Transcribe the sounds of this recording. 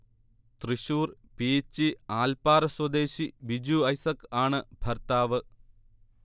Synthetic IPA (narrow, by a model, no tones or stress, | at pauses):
t̪riɕuːrpiːt͡ɕːiaːlpaːɾɐswɐd̪eːɕiʋid͡ʑuɐjsɐkaːɳɨbʱɐrt̪aːʋɨ